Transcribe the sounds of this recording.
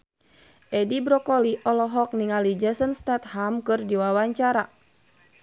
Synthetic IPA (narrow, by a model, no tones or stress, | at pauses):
ʔɛdibɾɔkɔliʔɔlɔɦɔk̚niŋalid͡ʒɛsɔnst̪ɛt̪̚hamkɨrdiwawaɲt͡ʃaɾa